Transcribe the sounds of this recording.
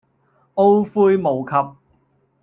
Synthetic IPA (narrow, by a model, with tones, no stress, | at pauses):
o˥wfuː˥jmo˨˩wkʰɐ˧p̚